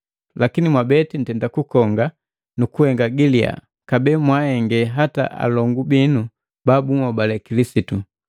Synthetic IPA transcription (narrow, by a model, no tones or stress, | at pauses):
lakinimwabɛtin̩tɛndakukɔŋɡa | nukuhɛŋɡaɡilia̰ | kabɛmwahɛŋɡɛɦata̰ʔa̰lɔŋɡubinu | babuŋɔbalɛkilisitu